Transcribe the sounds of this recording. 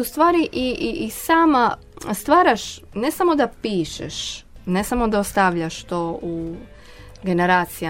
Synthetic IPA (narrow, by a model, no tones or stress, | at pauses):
ust̪ʋaːɾiʔiʔiʔisaːma | st̪ʋaːɾaʃ | ne̞samo̞d̪apiːʃeʃnesamod̪aost̪aʋʎaʃt̪ou | ɡe̞neɾaːt̪sija